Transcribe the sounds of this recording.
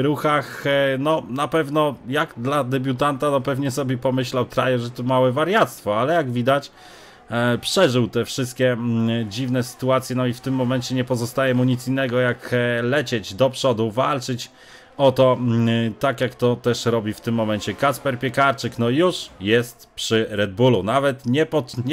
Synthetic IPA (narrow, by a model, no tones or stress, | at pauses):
ɾuxaxnɔnapɛvnɔjaɡd̪lad̪ɛbʲut̪ant̪anɔpɛvɲɛsɔbʲjɛpɔmɘɕlawt̪ɾajɛʐɛt̪ɔmawɛvaɾʲjat̪st̪fɔalɛjaɡvʲid̪at͡ɕ | pʂɛʐɘwt̪ɛfʂɘst̪̚kʲɛd͡ʑivnɛsɘ̥t̪uat̪sʲjɛnɔift̪ɘmːɔmɛnt͡ɕɛɲɛpɔzɔst̪ajɛmuɲit̪sinːɛɡɔjaklɛt͡ɕed͡ʑd̪ɔpʂɔd̪uvalt͡ʂɘt͡ɕ | ɔt̪ɔt̪akʲjakt̪ɔt̪ɛʂɾɔbʲift̪ɘmːɔmɛnɲt͡ɕɛkaspɛɾpʲjɛkaɾt͡ʂɘknɔjuʂjɛst̪pʂɘɾɛd̪̚bulunavɛt̪ɲɛpɔt̪ɲ